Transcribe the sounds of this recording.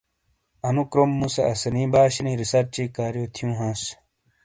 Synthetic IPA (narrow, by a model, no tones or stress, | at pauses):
ɐnukɾomːũsɐ̰ɐsɐnĩːbaːɕinĩːɾisɐɾt͡ɕiːkaːɾjoːt̪ʰjũːɦãːs